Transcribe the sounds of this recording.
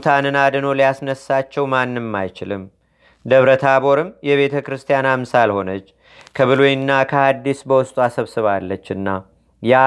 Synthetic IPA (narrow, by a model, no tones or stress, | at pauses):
t̪ʰanɨnad̪ɨno̞lijasnəsːat͡ʃːɛwmanːɨmmːajt͡ʃɪlɨm | d̪əβɾət̪ʰabo̞ɾɨmjɛβe̞t̪ʰəkɾɨst̪ʰijanamsalho̞nət͡ʃː | kʰəβɨlojɪnːakʰəad̪ːisbəwʊst̪ʼuasəβsɨβalːət͡ʃːɨnːa | ja